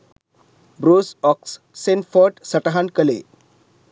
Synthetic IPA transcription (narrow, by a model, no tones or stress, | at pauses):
bɾosɔksː | enfɔɾʈsəʈaɦankəlḛ